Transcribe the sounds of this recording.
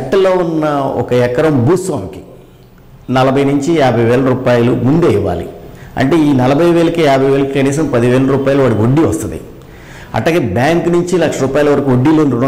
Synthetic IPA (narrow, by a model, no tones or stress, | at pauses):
ɐʈːɐlo̞ːunːɐɔ̰kɐɛkːɐɾɐmbuːsʋaːmiki̥ | nɐlɐbʱɐjnuɲt͡ʃijaːbʱɐjʋɛːlɐɾuːpaːjɐlumund̪eiʋːa̰ːlḭɐ̰ɳʈe̞ːiːnɐlɐbʱɐjʋeːlɐkijaːbʱɐjʋeːlɐkikɐniːs̬ɐmpɐd̪iʋeːlɐɾuːpaːjɐluʋaːɽɐkoɖːiʋɐst̪und̪ḭ | ɐ̰ʈlaːɡebjaːŋknuɲt͡ʃilɐkʂɐɾuːpaːjlɐʋɐɾɐkuoɖːileːnɾuɽ